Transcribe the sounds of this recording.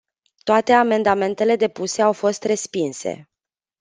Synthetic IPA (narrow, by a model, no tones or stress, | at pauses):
t̪oat̪e̞ame̞nd̪ame̞nt̪e̞le̞d̪e̞puse̞awfo̞st̪re̞spinsḛ